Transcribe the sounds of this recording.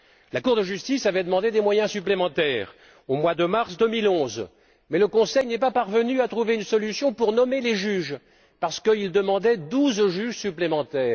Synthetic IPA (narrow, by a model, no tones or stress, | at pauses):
lakuʁd̪əʒyst̪isavɛd̪əmɑ̃d̪ed̪emwajɛ̃syplemɑ̃t̪ɛːʁ | omwad̪əmaʁsd̪əmilɔ̃z | mɛləkɔ̃sɛjnɛpapaʁvənyat̪χuveynsɔlysjɔ̃puʁnɔmeleʒyʒ | paʁsə̥kəild̪əmɑ̃d̪ɛd̪uzʒyʒsyplemɑ̃t̪ɛːʁ